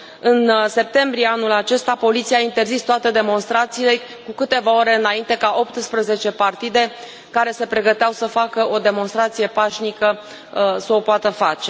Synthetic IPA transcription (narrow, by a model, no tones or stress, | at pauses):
ɨnse̞p̚t̪e̞mbɾijeanulat͡ʃe̞st̪apo̞lit̪siaint̪e̞rzist̪oat̪e̞d̪e̞mo̞nst̪ɾat̪siːle̞ | kukɨt̪e̞vao̞ɾe̞ɨnaint̪e̞kaʔo̞pt̪spɾəze̞t͡ʃe̞part̪id̪e̞ | kaɾe̞se̞pɾe̞ɡət̪eawsəfakəʔo̞d̪e̞monst̪ɾat̪sije̞paʃnikə | səopoat̪əfat͡ʃe̞